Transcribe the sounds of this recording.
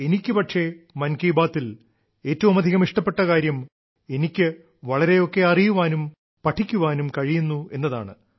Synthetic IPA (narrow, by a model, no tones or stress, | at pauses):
e̞nikʲːɨpɐʈʂe̞mɐnkiːbaːt̪ːil | e̞ːtːɐʋumɐd̪ʱiɣɐmiʂʈɐpːe̞ʈːɐkaːɾjɐm | e̞nikʲːɨ | ʋɐɭɐɾe̞jo̞kːe̞ɐrijuʋaːnum | pɐʈʰːikʲːuʋaːnumkɐɻijunːue̞nːɐða̰ːɳɨ